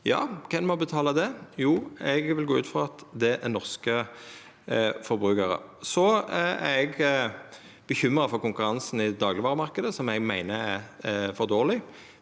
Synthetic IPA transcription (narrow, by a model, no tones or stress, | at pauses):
jɑ̰ːkʰɛnmɔbət̪ʰɑːləd̪ɛjuːɛɡʋɪlɡoːʉːt̪fʁɑɑt̪d̪ɛʔænɔʁskə | fɔɾbɾʉːkəɾə̰sɔæ̰ɾɛɡ | b̥əçʏmɾɑfɔɾkʊŋkʉɾɑnsn̩ɪd̪ɑːɡlɪʋɑːʁəmɑʁkəd̪əsɔmɛɡmæɪnəæfɔʁd̪oːʁlɪ